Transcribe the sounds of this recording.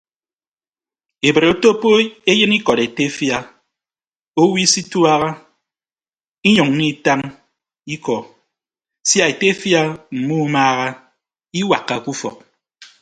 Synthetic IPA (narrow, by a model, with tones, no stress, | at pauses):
e˨bɾe˨o˦to˦po˦e˦jɨ˦ni˦kɔ˨ɾe˨te˦fja˦ | o˦wi˦si˦twa˦ɣa˦ | i˦ɲɔ˨ŋ̩˦i˦˨ta˦ŋ | i˦kɔ˨ | sja˦e˨te˦fja˦m̩˨mu˦maː˦ɣa˦ | i˦wa̰˨kːa˨ku˦fɔ̰˨k̚